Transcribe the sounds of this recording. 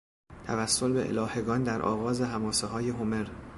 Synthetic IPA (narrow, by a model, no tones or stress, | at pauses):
t̪ʰævæsːolbe̞ʔḛlɒːheɡɒːnd̪æɾʔɒ̰ːɣɒːze̞ɦæmɒːseɦɒːje̞ɦome̞ɾ